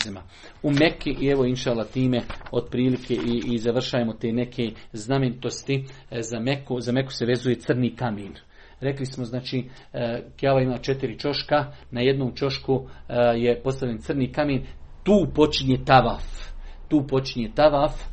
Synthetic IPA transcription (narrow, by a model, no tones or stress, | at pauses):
ima | umekiʔie̞ʋoinʃaːlat̪iːme̞o̞d̪pɾiːlikʰeʔiizaʋr̩ʃaːemo̞t̪eːne̞kʰeːzname̞nit̪o̞st̪i | zamekuzame̞ku̥se̞ʋe̞zuje̞t̪sɨrniːkameːn | ɾe̞klismo̞znaːt͡ʃiː | kjaːʋaimaːt͡ʃe̞t̪iɾit͡ʃo̞ʃkanaje̞d̪noːmt͡ʃo̞ʃkuje̞po̞st̪aʋʎʲent̪sɨrniːkameːnt̪uːpo̞t͡ʃiɲet̪aʋaft̪uːpo̞t͡ʃiɲet̪aʋaf